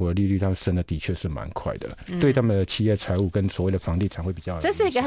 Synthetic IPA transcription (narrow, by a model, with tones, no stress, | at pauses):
wɔ˧˥d̪ə˨li˥˧ly˥˩t̪ʰa˥˩˨ʂə˥nd̪ə˨˩t̪i˨˩t͡ɕʰɥɛ˥˧ʂɻ̩˥˩ma̰˧˦nkʰwa̰˥˩ɪd̪ə̰˩t̪we˥˧ɪt̪ʰa˥˩mə˨nd̪ə˩t͡ɕʰi˥˧jɛ˥˩t͡sʰa˧˥ɪu˥˩kə˦˥nswɔ˨˧˥we˥˩ɪd̪ə˨fɑ˧˥ŋt̪i˥˩t͡sʰa˧˥xwe˥˩pi˨˩t͡ɕjɑ˥˩˨ə˥˧ʂ̩˥˩i˧ɡə˧˨˩